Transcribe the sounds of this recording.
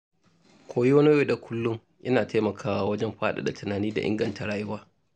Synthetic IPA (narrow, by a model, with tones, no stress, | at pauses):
kʷʰoː˨˦ji˦wɐ˦ni˦eː˦˨da˨kʷʊ˦lːʊ˦ŋ | ʔɪ˦naː˨tʰeː˦mɐ˨kʰaː˦wa˦wɐ˦d͡ʒɛ˦mɸaː˦ɗa̰˨da˨tʊ˨naː˨niː˦da˨ʔɪ̰˦ŋɡɐ˨nta˨ɽaː˦jʊ˦waː˦